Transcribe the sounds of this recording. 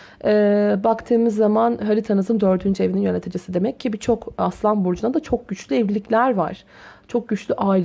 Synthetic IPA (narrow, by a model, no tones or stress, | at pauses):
ɛːbakt̪ʰɯːmɯzːamanɦaɾit̪ʰanɯzɯmd̪øɾd̪ʰynd͡ʒʰevininjanʲet̪ʰɯd͡ʒɯsɯd̪e̞mɛcːʰibit͡ʃʰokaslˠanbuɾd͡ʒunad̪at͡ʃʰo̞k̚ɟyt͡ʃlʲyɛvlʲilʲiclʲæɾva̰ɾ̥ | t͡ʃʰo̞k̚ɟyt͡ʃlʲyʔaːil